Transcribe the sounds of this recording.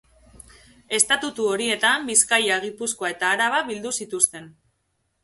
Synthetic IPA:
e̞st̪at̪ut̪uo̞ɾie̞t̪ambiskajaɣ̞ipusko̞ae̞t̪aːɾaβaβild̪usit̪ust̪e̞n

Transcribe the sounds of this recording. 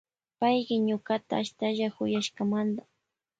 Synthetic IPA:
pajɢɪɲʊkat̪aːʃt̪aʒahʊjaʃkamand̪a

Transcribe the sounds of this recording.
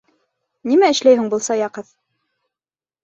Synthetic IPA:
nimæɘ̆ʃlæjɦɘŋbulˠsɑjɑqɤð

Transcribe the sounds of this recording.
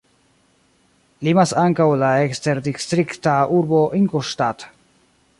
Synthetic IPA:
limasaŋkawlaekst̪eɾd̪ist̪ɾikt̪aʔuɾboʔiŋkoʃt̪at̪

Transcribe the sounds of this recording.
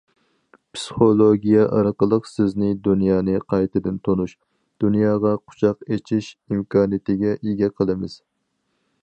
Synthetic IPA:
pʰsɨ̥χolˠoɡʲijɛʔɑɾqəlˠəqsɪznɪd̪unjɑːnɨqʰɑjt̪ɨd̪ɪnt̪ʰonuʃ | d̪̥unjɑːʁɑqʰʊ̥t͡ʃʰɑqet͡ʃʰiʃimkʰɑːnɨjit̪ɪɡʲɛʔiɡʲɛqʰəlˠɨmɪz̥

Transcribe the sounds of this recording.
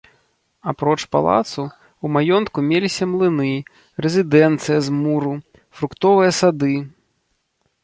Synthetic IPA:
apɾɔt͡ʂpa̰lˠa̰t̪su | umajɔnt̪kumʲelʲisʲɐmlˠɨnɨ | rɛzʲid̪ɛnt̪sɨjɐzmuɾu | fɾukt̪ɔvɨjɐsad̪ɨ

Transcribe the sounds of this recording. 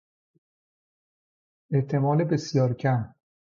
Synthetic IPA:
ʔeʔt̪ʰe̞mɒːlebe̞sjɒːɾcʰæm

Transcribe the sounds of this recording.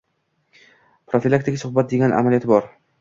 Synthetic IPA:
pɾofilˠak̚t̪ɪɡʲasʊhbat̪̚d̪eɡʲanʔa̰malijɒt̪ɪbɒɾ

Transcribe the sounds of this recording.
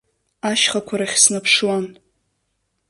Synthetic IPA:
aʃχakʷʰaɾaχʲsnapʰʂwan

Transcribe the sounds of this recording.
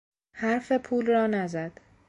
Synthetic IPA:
hæɾfe̞pʰuːlrɒːnæzæd̪̥

